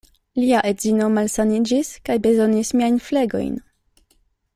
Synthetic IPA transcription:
liaʔe̞dzino̞malsanid͡ʒiskajbe̞zo̞nismiajnfleɡo̞̰jn

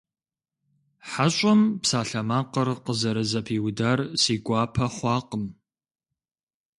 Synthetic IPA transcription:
ħaɕʼɐmpsaːɬɐmaːqərqəzɐɾɨzɐpʰiːwdaːrsiːɡʷɑːpʰɐχʷɑːqəm

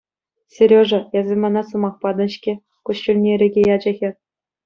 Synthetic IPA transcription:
sʲeɾʲoʐɤ̆jɑzʲemɑnɑsɤ̆mɑχpɑd̪ɤ̆ɕkʲĕ | kuɕt͡ɕulʲnʲeɾʲĕɡʲejɑd͡ʑɤ̆ɣʲe

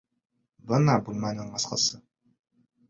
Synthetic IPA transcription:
bɤnɑbulˠmɑnɤɴɑsqɑ̰sɤ

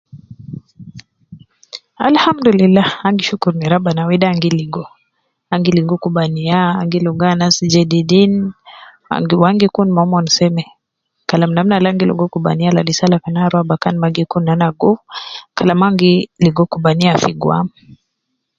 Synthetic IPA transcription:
a̰lhamdulilːahaŋɡiʃukuɾniɾabanawɛdaːŋɡiliɡɔ | aŋɡiliŋɡɔkubaniaːŋɡiluɡanasid͡ʒɛdidin | a̰ŋɡiwaŋɡikunmaɔmɔnisɛmɛ | kalamnam̩nalaŋɡilṵɡɔkuba̰nialadisalakanaɾwabakanmaɡikunːanaɡukalamaŋɡiliɡɔkubaniafiɡwa̰m

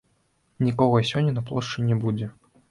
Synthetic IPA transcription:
nʲikɔɣɐsʲɔnʲːɐnɐplˠɔʂt͡ʂɨnʲɛbud͡zʲɛ

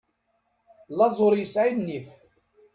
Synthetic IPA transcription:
lɑzˤoɾˤjəsʕid̪nif

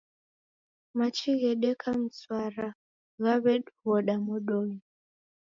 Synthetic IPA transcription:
mat͡ʃiɣɛɗɛkʰam̩swaɾa | ɣaβɛɗβɔɗamɔɗɔji

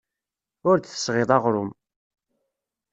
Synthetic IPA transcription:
ʊɾd̪θə̥sʁeðˤɑʁɾʊm

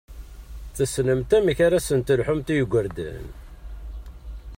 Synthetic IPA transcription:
θəsnəmt̪æmçaɾasənt̪əlħʊmt̪ijəɡʷəɾd̪æ̰n

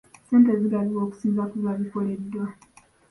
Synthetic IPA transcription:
seːnteziɡaliwo̞ːku̥siːmzakuβaβifoledːwa

